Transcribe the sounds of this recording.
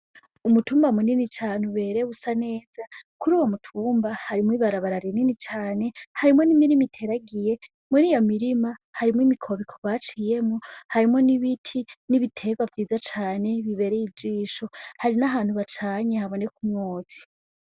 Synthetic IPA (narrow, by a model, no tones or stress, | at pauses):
umutuːmbamuninit͡ʃaːnuβe̞ːɾe̞usane̞ːz̥akuɾuːwomutʰuːmbahaɾimwiβaɾaβaɾaɾininit͡ʃaːne̞haɾimo̞nimiɾimitʰe̞ɾaɡije̞ | muniːjo̞miɾimahaɾimwimikʰo̞βikʰoβat͡ʃije̞mohaɾimo̞niβitʰiniβitʰe̞ɡwavjiːzat͡ʃaːne̞βiβe̞ɾejibd͡ʒiːʃo̞haɾinaɦaːn̥huβat͡ʃaːɲehaβo̞ne̞kumŋoːt͡si̥